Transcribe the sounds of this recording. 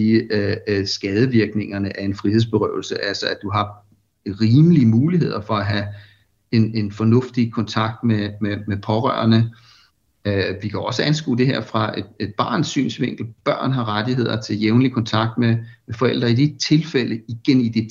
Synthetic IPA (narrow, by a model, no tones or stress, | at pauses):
sɡ̥ɛːð̞ˠəʋiɐɡ̥ne̝ŋɐnəʔæɐe̝nfʁiɦe̝ð̞̰ˠsb̥e̝ʁœʊl̩səʔælsəæd̥uɦɑ̈ | ʁiːmliəmuːliɦe̝ð̞̰ˠɐfɒ̽æɦæ | e̝ne̝nfɒ̽nɔ̽fd̥ikʰɒ̽nt͡sʰɑ̈ɡ̥̚d̥mememepʰɒ̽ʁœ̰ːɐnə | ʋikʰæɒ̽səænsɡ̥ṵːd̥e̝ɦeɐ̰fʁɑ̈ed̥e̝d̥̚b̥ɑ̰̈ːnsy̰ːnsʋe̝ŋ̰ɡ̥l̩b̥ɶɐ̰nɦɑ̈ʁad̥iɦe̝ð̞̰ˠɐt͡sʰe̝ljeʊnlikʰɒ̽nt͡sʰɑ̈ɡ̥̚d̥memefɒ̽el̰d̥ʁɐid̥it͡sʰe̝lfeləiɡ̥enid̥i